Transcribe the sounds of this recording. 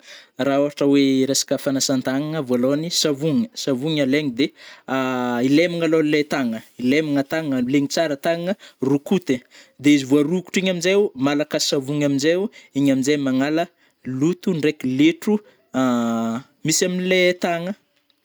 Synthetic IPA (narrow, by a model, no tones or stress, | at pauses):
raoɦaʈ͡ʂəweɾesḁkəfanasant̪aŋaŋəvalonisavuŋəsavuɲaleŋid̪e | ilemiŋalonlet̪aŋəilemiŋət̪aŋəleɲit͡saɾət̪aŋaŋərukut̪ed̪eizivuaɾuku̥ʈ͡ʂiɲaminzeumalakəsavuŋaminzeiɲaminzemaŋalə | lut̪uɳɖ͡ʐekileʈ͡ʂu | misaminilet̪aŋə